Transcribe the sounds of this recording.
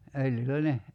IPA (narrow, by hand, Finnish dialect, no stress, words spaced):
øljylˑæ ne